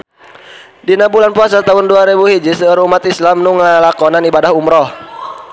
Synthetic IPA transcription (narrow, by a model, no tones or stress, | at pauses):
dinabulanpuas̬at̪aɦʊnduaɾebuhid͡ʒisəɾumat̪islamnuŋəlakɔnanibadahumɾɔh